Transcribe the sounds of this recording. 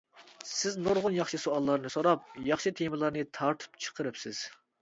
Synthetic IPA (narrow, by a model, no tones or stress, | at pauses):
sɪznoɾʁʊnjɑχʃɨsoɑlˠːɑɾnɨsoɾɑp̚jɑχʃit̪ʰemɨlˠɑɾnɨt̪ʰɑɾt̪ʰɨ̥pt͡ʃʰə̥qʰəɾɨpsɪz̥